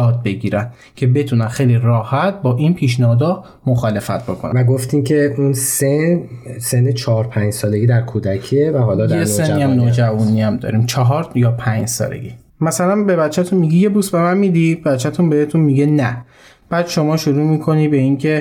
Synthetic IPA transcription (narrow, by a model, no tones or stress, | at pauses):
jɒːd̪̚be̞ɡiːɾæn | cʰe̞be̞t̪ʰunænxejlirɒːhæt̪̚bɒːʔinpʰiːʃ̬nɒɒd̪ɒ | moxɒːle̞fæ̰t̪̚ʰbo̞kʰon̰æɡoft̪iːmcʰeunsensenːet͡ʃʰɒːɾpʰæɲd͡ʒsɒːleɡiːd̪æɾkʰuːd̪ækʰievæhɒːlɒd̪esenːiæmnoːd͡ʒævuniæmd̪ɒ̰ːɾiːmt͡ʃʰɒɦɒːɾjɒːpʰæɲd͡ʒsɒ̰ːlḛɡi | mæsælænbe̞bæt͡ʃʰːæt̪ʰunmiɟije̞buːsbe̞mænmiːd̪ibæt̪t͡ʃʰːæt̪ʰunbehet̪ʰunmiɟenæ | b̥æːd̪̥ʃo̞mɒːʃoɾuːmiːkʰo̞niːbe̞incʰe̞